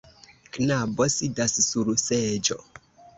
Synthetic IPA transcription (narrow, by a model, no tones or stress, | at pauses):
knabɔsidassuɾusɛd͡ʒɔ